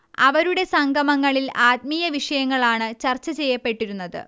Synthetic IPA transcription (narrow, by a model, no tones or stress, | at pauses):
ɐ̰ʋɐɾuɽe̞sɐŋɡʱɐmɐŋːɐɭilaːt̪̚mijɐʋiʂɐjɐŋːɐɭaːɳɨt͡ɕɐrt͡ɕːɐt͡ɕe̞jːɐpːe̞ʈːiɾunːɐðɨ̰